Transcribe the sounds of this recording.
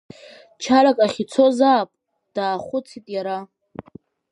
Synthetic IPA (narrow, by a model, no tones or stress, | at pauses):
t͡ʃʰaɾakʼaχʲit͡sʰo̞zaːpʼ | d̥aːχʷʊt͡sʰitʼjaɾa